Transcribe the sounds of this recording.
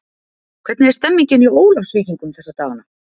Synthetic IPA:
kʰv̥ɛt̪nɪɛɾ̥st̪ɛmːiɲcɪnioːwlafsviːciŋkʏmθɛsat̪aːvana

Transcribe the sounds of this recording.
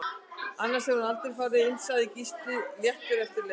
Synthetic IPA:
anːaɾ̥sɛvanalt̪ɪɾ̥faːɾɪɪnsaðɪcist̪ɪljɛht̪vɪɾɛft̪ɪɾlɛ

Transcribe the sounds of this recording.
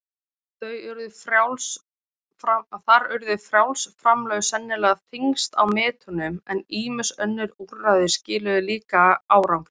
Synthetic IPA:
θœɥʏɾðʏfɾawls | aθaɾʏɾðʏfɾjawlsfɾamlœːɣsɛnːɪlɛːɣaθʰiŋst̪a̰wmɛːt̪ʏnʏmɛniːmɪ̥sœnːɪɾuɾːaðɪscɪːlʏðɪliːkaaːwɾawŋk

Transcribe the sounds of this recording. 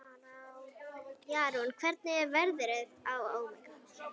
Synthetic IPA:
jaːɾunkʰvɛɾt̪̚nɪɛɾvɛɾðʏɾɪðawaːwmɪ

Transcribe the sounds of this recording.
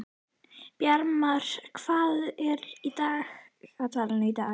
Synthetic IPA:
pjaɾmaɾ̥kʰv̥aːðɛɾid̪aːɣad̪vaɾnid̪aː

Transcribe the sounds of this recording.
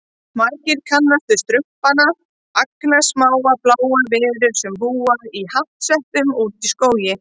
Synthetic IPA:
maɾcɪɾ̥kʰanːast̪ʏst̪ɾʏhpana | aknasmaːwaplaːwavɪːɾʏɾsɛmpuːaɾihaft̪sɛht̪ʏmut̪iskoːwjɪ

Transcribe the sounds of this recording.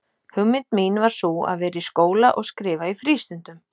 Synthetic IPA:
hʏmːɪnt̪miːnvaɾ̥sua̰ðvɛːɾɪiskoːwlaʔɔɣskɾɪːvaifɾiːst̪ʏnt̪ʏm

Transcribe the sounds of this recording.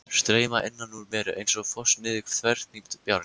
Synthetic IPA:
st̪ɾeːjmaʔɪnːanːuɾmɛːɾʏʔḛjnsɔɣfɔsnɪːðɪkθʰvɛɾ̥t̪nikt̪pjaɾ

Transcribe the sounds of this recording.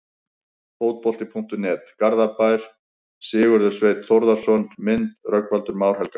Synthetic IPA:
foːwt̪̚pɔl̥t̪ɪpʰuŋ̥t̪ʏnɛːt̪kaɾðapajɾ̥ | sɪːɣʏɾðʏɾ̥sveːjt̪θowɾðaɾ̥sɔnmɪnt̪rœkvalt̪ʏɾmaːwɾ̥hɛlka

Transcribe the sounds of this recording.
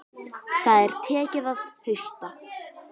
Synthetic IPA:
θaðɛɾ̥t̪ʰɛːcɪðaðhʏɥst̪a

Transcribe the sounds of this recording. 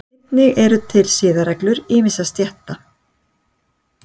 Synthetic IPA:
t̪nɪɣɛɾʏt̪ʰɪlsɪːðaɾɛklʏɾɪːmɪsast̪jɛht̪a

